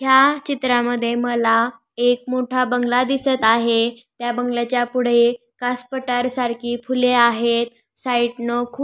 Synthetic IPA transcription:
ɦjat͡ɕit̪ɾaməd̪ʱːjeməla | ek̚moʈʰabəŋɡlad̪isət̪aɦe | t̪jabəŋɡlat͡ɕjapuɽ̤e | kaspəʈaɾsaɾkʰiːfuleaɦet̪̚ | saiʈnəkʰuː

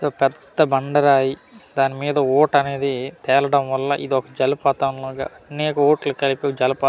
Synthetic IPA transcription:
soːpɛd̪ːɐbɐɳɖɐɾaːjid̪aːnimiːd̪ɐoːʈɐne̞ːd̪it̪ɛːlɐɽɐmʋɐlːɐ̰ʔḭd̪iɔkɐd͡ʒɐlɐpaːt̪ɐmloːɡa̰ːɐnɛːkɐoːʈlɐkɐliped͡ʒɐlɐpaː

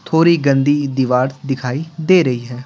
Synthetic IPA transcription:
t̪ʰoːɾiːɡənd̪iːd̪ɪʋaːɽd̪ɪkʰaːiːd̪eːɾəɦiːɦɛː

